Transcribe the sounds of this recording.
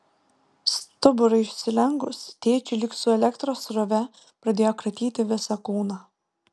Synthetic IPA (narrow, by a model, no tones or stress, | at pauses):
st̪ʊbʊɾɐɪɪʃʲsʲɪlʲɛŋɡʊst̪ʲeːt͡ʃʲɪlʲɪksʊɛlʲɛkt̪ɾoːsɾɔʋʲɛ | pɾɐd̪ʲeːjoːkɾɐt̪ʲiːt̪ʲɪʋʲɪsɐkuːnɑ